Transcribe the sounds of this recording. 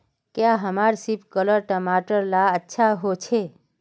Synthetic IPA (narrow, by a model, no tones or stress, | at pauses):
kjaɦəmaɾsipkələɾʈəmaʈəɾlaətːʃʰaɦot͡ʃʰe